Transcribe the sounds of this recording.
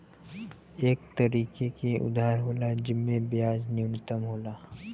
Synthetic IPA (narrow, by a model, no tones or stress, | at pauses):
eːkt̪ɐɾiːkekiʊ̰d̪ʱaːɾɦoːlad͡ʒɪmːẽbɪjaːd͡ʒnɪwnɪt̪əmɦoːlaː